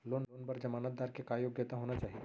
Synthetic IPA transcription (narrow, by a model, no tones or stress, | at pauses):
loːnoːnpɐɾd͡ʒɐmaːnət̪̚d̪aːɾkekaːjoːɡjət̪aɦoːnat͡ʃaːɦi